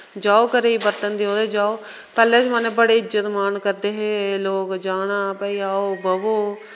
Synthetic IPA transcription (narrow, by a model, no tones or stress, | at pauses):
d͡ʒaːoːkəɾeːiːbəɾt̪ənd̪iːoːd̪eːd͡ʒaːoː | pɛːlɛ̃ːt͡ʃmənẽːbəɽeːɪd͡ʒət̪maːnkəɾd̪eːɦeːloːkd͡ʒaːɽ̃aːpəiːaːoːbəboː